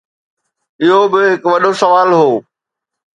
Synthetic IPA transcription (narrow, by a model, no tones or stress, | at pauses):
ɪɦobɪɦɪkʋɐɗosɐʋaːlɦoː